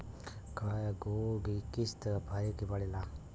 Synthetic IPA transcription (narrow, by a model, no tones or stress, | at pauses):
kajɡoɡikist̪əbʱajkibaɽela